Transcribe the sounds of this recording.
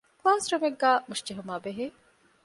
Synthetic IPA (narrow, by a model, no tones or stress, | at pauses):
kaːsɾɐmeɡːaːmuʃt͡ʃeɦumaːbeɦeː